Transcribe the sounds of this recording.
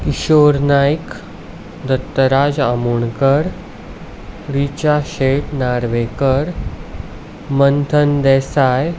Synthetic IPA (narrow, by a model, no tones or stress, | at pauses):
kiɕoɾnajk | d̪ət̪ːəɾad͡zamuɳkəɾ | ɾit͡ɕaɕeʈnaɾʋekəɾ | mənt̪ʰənd̪ɛsaj